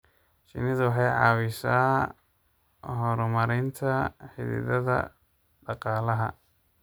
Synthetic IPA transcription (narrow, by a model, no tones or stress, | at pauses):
ʃɪ̰nɪðwɑħɑjʕɑ̰ːwɪʃaː | ɦɔɾɔmɐɾɪnt̪ʰɐħɪ̰ðɪ̰ðɐðɐ̰ | ɖɑqɑːlɐɦɐ̰